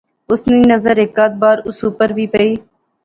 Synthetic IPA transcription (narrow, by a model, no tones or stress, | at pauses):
ʊsniːnəzəɾɪkːaːt̪̚baːɾʊsuːpəɾʋiːpəiː